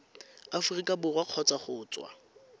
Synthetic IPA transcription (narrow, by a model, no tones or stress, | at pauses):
afʊrikʼabʊrwaq͡χʰɔt͡saχʊːt͡sʼwa̰